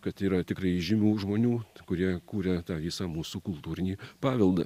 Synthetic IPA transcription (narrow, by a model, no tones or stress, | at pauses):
kɐt̪iːɾɐt̪ʲɪkrɐɪʒʲɪmʲuːʒmoːnʲuːkʊɾʲiɛkuːɾʲɛt̪ɑːʋʲɪsɑːmuːsuːkʊlˠt̪uːɾʲɪnʲiːpɑːʋʲɛlˠd̪ɐ̰